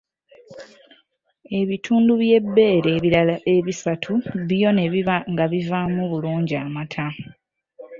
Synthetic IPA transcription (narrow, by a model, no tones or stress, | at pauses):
e̞βitʰuːnduβje̞bːe̞ːɾeβiɾalaʔe̞βisatʰuβijo̞ne̞βiβaŋɡaβivaːmuβuluːɲɟiamatʰa